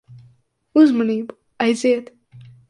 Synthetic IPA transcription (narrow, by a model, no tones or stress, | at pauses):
uzmɔniːbu | ajziɛt̪